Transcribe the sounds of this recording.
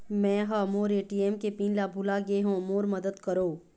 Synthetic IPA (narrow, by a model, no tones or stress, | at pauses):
mɛ̃ːɦamoːɾeːʈieːmkepĩːnlabʱʊlaɡeɦõːmoːɾmɐd̪əd̪kɐɾoː